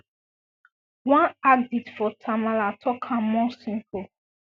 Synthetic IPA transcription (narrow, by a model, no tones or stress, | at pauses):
wãnaɡditfɔtʰamalatʰɔkʰãmɔsĩmpʰu